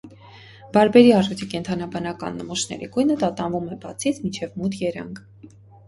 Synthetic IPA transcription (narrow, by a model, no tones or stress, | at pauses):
b̥ɑɾbɛɾiɑʒut̪ʰikɛnt̪ʰɑnɑbɑnɑkɑ̰nːəmɔʃnɛ̰ɾḭɡujnət̪ɑt̪ɑnvumɛbɑt͡sʰit͡sʰmint͡ʃʰɛvmut̪ʰjɛɾɑ̰ŋkʰ